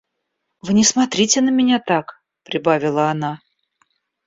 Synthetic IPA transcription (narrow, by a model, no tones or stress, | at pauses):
vɨnʲɪsmɐt̪ɾʲitʲɪnəmʲɪnʲat̪ak | pɾʲɪbavʲɪlˠəɐna